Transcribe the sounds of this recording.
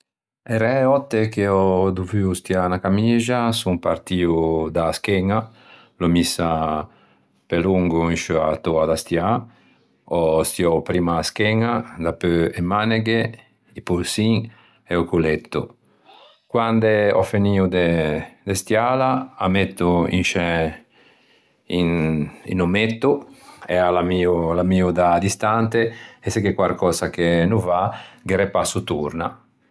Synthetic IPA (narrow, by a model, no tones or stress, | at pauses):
ɛɾɛɔt̪ːekeɔd̪uvyust̪ianakamiːzasumpaɾt̪iːud̪askɛŋa | lomisa | pɛluŋɡuiʃuat̪ɔad̪ast̪ja | ɔst̪iɔpɾiːmaskɛŋad̪apøɛmaneɡe | ipuɾsiŋ | ɛukulɛt̪ːṵ | kwand̪ɛɔ̰feniːud̪ɛd̪ɛst̪jaːlaa̰met̪ːuḭnʃɛ | inḭnɔmet̪ːuɛalamiːulamiːud̪ad̪ist̪ant̪eɛsɛkekwaɾkɔːsakenuvaɡɛɾɛpasut̪uɾna̰